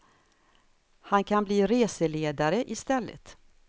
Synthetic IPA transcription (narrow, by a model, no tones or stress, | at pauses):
hankʰanbliːɾeːsəleːd̪aɾəʔɪst̪ɛlːə̰t̪